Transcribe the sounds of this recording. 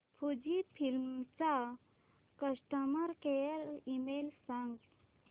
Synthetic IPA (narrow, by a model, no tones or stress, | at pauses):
pʰud͡ʑifʰilmt͡sa | kəsʈəməɾkejəɾimelsãŋɡ